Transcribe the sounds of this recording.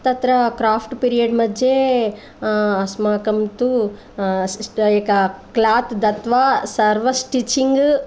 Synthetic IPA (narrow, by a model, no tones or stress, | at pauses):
t̪ɐt̪ɾɐkɾaːpʰʈpiːɾijɐɖmɐd͡ʒːe | ɐsmaːkɐmt̪u | eːkɐklaːt̪d̪ɐt̪ʋaːsɐɾʋɐsʈit͡ʃːiŋɡ